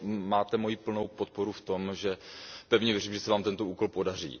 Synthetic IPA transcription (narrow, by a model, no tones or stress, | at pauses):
maːt̪ɛmo̞jiːpl̩no̞wpo̞t̪̚po̞ɾuft̪o̞mʒɛpɛvɲɛvjɛriːmʒɛsɛvaːmt̪ɛnt̪ouːko̞lpo̞dar̝ḭː